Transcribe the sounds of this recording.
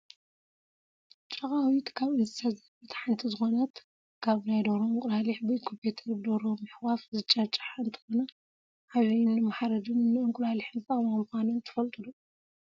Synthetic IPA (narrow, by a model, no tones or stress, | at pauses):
t͡ʃʼɐχʼawit̪kʰaβɨnɨsʰazɐbɨt̪ʰħant̪ʰizɨxo̞nɐt̪ | kʰaβnajd̪oɾoɨŋkʼulaliħbɨkʰompʰet̪ʰɐɾbɨd̪oɾomɨħwafzɨt͡ʃʼːat͡ʃʼḁħaɨnt̪ʰɐ̥xo̞nɐ | ʔaβɐjnːɨmaħaɾɐd̪ɨnnːɨɨŋkʼʊlaliħnɨt̪ʼamamɨxʷanɐnt̪ʰɨ̥fɐlt̪ʼɨlu